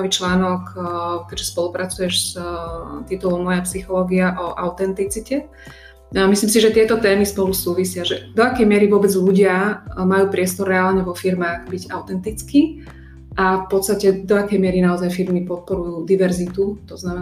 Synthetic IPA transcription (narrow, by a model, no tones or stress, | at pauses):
ʋiːt͡ʃlaːnɔkkɛɟʒɛspɔlupɾat͡sujɛʃs | t̪it̪ulɔmmɔjapsixɔlɔːɡiaʔɔʔaʊt̪ɛnt̪it͡sicɛ | misliːmsiʒɛt̪ɪɛt̪ɔt̪ɛːmispɔlusuːʋisɪaʒɛd̪ɔakɛjmɪɛɾiʋʊɔbɛd͡zʎuɟɪamajuːpɾɪɛst̪ɔrːɛaːlɲɛʋɔfiɾmaːɣbiɟaʊt̪ɛnt̪it͡skiː | ʔafpɔt̪st̪acɛd̪ɔakɛjmɪɛɾinaɔzajfiɾmipɔt̪̚pɔɾujuːd̪iʋɛɾzit̪ut̪ɔznamɛ